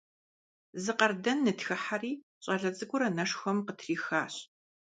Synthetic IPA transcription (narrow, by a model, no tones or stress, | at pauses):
zɨqɐrdɐnːɨtxɨħariː | ɕʼɐɮɐd͡zʼɨɡʷʊɾɐnɐʂxʷɐmqətʰriːxaːɕ